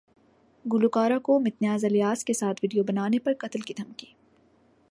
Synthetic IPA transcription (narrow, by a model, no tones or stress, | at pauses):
ɡʊlukaːɾakomɪt̪njaːzɐlijaːskesaːt̪ʰʋiɖijobɐnaːnepɐɾkɐt̪lkid̪ʱɐmkiː